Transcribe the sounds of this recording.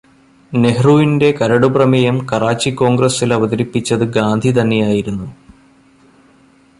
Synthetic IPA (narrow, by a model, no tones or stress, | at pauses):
ne̞ɦruʋinde̞kɐɾɐɽubrɐmejɐmkɐraːt͡ɕːikːo̞ːŋɡrɐsilɐʋɐðɐɾipːit͡ɕːɐðɨɡaːnd̪ʱit̪̬ɐnːe̞jaːjiɾunːu